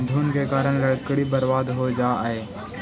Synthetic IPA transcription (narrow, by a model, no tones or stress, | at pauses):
nd̪ʱunkekaːɾəɽ̃lɐɽkɽibəɾʋaːd̪ɦod͡ʒaːɦeː